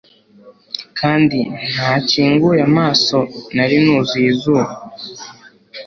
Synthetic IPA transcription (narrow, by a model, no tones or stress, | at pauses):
kʰaːndin̥haːciːŋɡujamaːso̞naɾinuːzizuːβa